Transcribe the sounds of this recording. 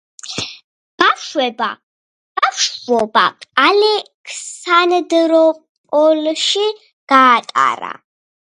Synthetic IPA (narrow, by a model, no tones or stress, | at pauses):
ɡ̥aʃwɛba̰ | ɡ̥aʃʂvɔba̰alɛ | kʰsand̪ɨɾɔ | ɔlʃi | ɡ̥aːt̪ʼa̰ɾa̰